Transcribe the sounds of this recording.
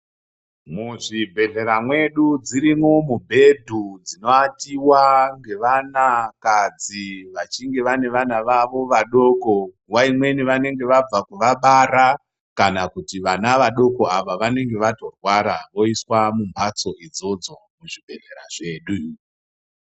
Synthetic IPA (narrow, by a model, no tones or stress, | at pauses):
muʐibʱe̞ɮe̞ɾamwe̞ɗud͡ziɾimo̞mubʱe̞dʱud͡zino̞atiwaŋɡe̞ʋanakad͡ziʋat͡ʃiŋɡe̞ʋane̞ʋanaʋaʋo̞ʋaɗo̞ko̞ | waimwe̞niʋane̞ŋɡe̞ʋab͡vakuʋaɓaɾa | kanakutiʋanaʋaɗo̞ko̞aʋaʋane̞ŋɡe̞ʋato̞rwaɾaʋo̞iswamumpʰat͡so̞id͡zo̞d͡zo̞muʐibʱe̞̰ɮe̞̰ɾa̰ʐe̞ːɗu